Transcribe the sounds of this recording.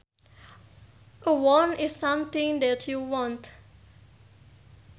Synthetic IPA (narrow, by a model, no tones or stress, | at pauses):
ʔəwɔnɪsːãmt̪ɪ̃ŋd̪ɛtʰjuwɔ̃nt